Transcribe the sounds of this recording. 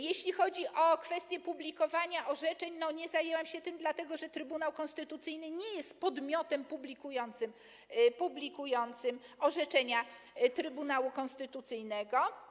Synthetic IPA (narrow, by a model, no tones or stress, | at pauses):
jeɕlʲixɔd͡ʑiʔɔkfɛst̪ʲjɛpublʲikɔvaɲaʔɔʐɛt͡ʂɛɲnɔɲɛzajɛwamɕɛt̪ɘmd̪lat̪ɛɡɔʐɛt̪ɾɘbunawkɔ̃nst̪ɘt̪ut̪sɘjnɘɲɛjɛst̪pɔd̪mʲjɔt̪ɛmpublʲikujɔnt̪sɘm | publʲikujɔnt̪sɘmɔʐɛt͡ʂɛɲat̪ɾɘbunawukɔ̃nst̪ɘt̪ut̪sɘjnɛɡɔ